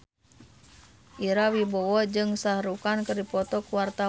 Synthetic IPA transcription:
ʔiɾawibɔwɔd͡ʒɨŋsahɾukankərdipɔt̪ɔkuwart̪a

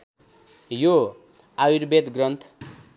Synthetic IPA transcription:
jo | awiɾbet̪ɡrʌnt̪ʰ

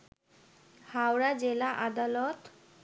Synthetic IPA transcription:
hawɾad͡ʑelaʔad̪alɔt̪

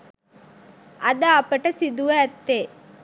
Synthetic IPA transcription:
ɐd̪aːpːɐʈɐsid̪uʋɐːt̪ːe

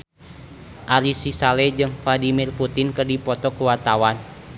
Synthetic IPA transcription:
ʔaɾisisalɛd͡ʒɨŋfladimirput̪ɪnkərdipɔt̪ɔkuwat̪awan

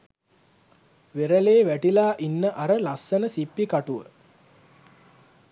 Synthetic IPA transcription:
ʋeɾəleːʋæʈilaːʔinːəʔaɾəlasːənəsipːikaʈuʋə̰

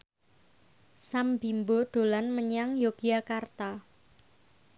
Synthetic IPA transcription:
sambimboɖ̪̥o̤lanməɲaŋjoɡ̥iakart̪a

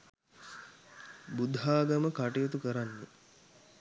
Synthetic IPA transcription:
bud̪ʱɦaːɡɐməkaʈijot̪̬ukəɾanːe

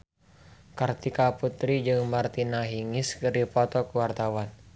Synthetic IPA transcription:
kart̪ikaput̪ɾid͡ʒɨŋmart̪inaɦiŋiskɨripɔt̪ɔkuwart̪awan

